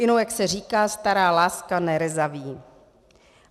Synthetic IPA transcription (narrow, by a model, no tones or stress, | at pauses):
ɪnowjaksɛr̝iːkaːst̪aɾaːlaːskanɛɾɛzaviː